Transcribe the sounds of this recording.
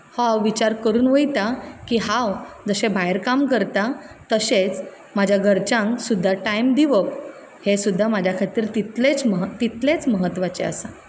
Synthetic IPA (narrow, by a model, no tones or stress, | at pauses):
hoawʋit͡ɕaɾkəɾuːnʋəjt̪akiːɦawd͡zəɕẽbʱajɾkamkəɾt̪at̪əset͡s | mad͡ʑʱjaɡʱəɾt͡ɕãŋksud̪ʱːaʈajmd̪iʋəp | hesud̪ʱːamad͡ʑʱjakʰat̪iːɾt̪it̪let͡sməɦt̪it̪let͡sməɦət̪ːʋat͡ɕeə̰sa